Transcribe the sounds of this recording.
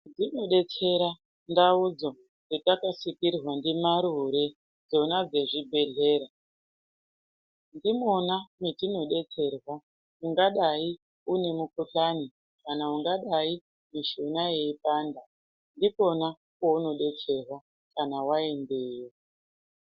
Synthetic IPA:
ndino̞ɗe̞t͡se̞ɾa | ndaud͡zo̞ | nditakasikirrwandimaɾuɾe̞ | d͡zo̞nad͡ze̞ʐibʱe̞ɮe̞ːɾa | ndimonamitino̞ɗe̞t͡se̞rwa | uŋɡaɗai | une̞mukuɬani | kanauŋɡaɗai | miʃonaje̞ipaːnda | ndiko̞na | kouno̞ɗe̞t͡se̞rwa | kanawae̞ndeːwo

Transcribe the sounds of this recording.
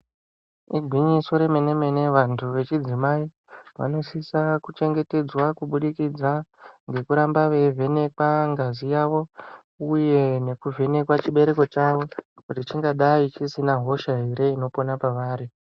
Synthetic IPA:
iɡʱwiɲiso̞ɾe̞mene̞me̞ne̞ʋantʰuʋe̞t͡ʃid͡zimai | ʋa̰no̞sisakut͡ʃe̞ŋɡe̞te̞d͡zwakuɓuɗikid͡zaŋɡe̞kuɾambaʋe̞vʱe̞ne̞kwaŋɡazijaʋo̞ | uje̞ne̞kuvʱe̞ne̞kwat͡ʃiɓe̞ɾe̞ko̞t͡ʃaʋo̞kutit͡ʃiŋɡaɗait͡ʃisinaɦo̞ʃaɦeɾe̞ino̞po̞napaʋaːɾi

